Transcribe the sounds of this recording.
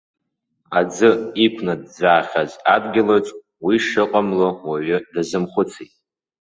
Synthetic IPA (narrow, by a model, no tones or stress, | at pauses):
ad͡zɨikʷʰnad̚d͡zaːχʲazadɡʲɪlot͡sʼ | wiʂɨqʼamlowaɥʏdazɨmχʷʊt͡sʰitʼ